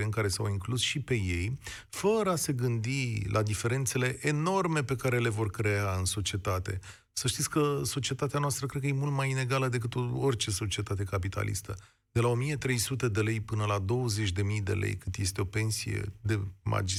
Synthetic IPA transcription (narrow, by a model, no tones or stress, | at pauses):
eɨŋkaɾe̞sawiŋklusʃipe̞je̞j | fəɾəase̞ɡɨnd̪ilʔad̪ife̞ɾe̞nt̪se̞le̞ʔeno̞rme̞pe̞kaɾe̞le̞vo̞rkɾe̞aɨnso̞t͡ʃie̞t̪at̪e̞̰ | səʃt̪it̪sʲkəso̞t͡ʃie̞t̪at̪eanoast̪ɾəkɾed̪̚kəje̞mult̪majine̞ɡaləd̪e̞k̬ɨt̪oort͡ʃe̞so̞t͡ʃiet̪at̪e̞kapit̪ʰa̰lḭst̪ə | d̪̥e̞lao̞mije̞t̪ɾe̞jsut̪e̞d̪e̞le̞jpɨnəlad̪o̞wəze̞t͡ʃʲd̪e̞mijd̪e̞̰lḛjkɨnt̪je̞st̪eo̞pe̞nsijḛd̪e̞ma̰d͡ʒi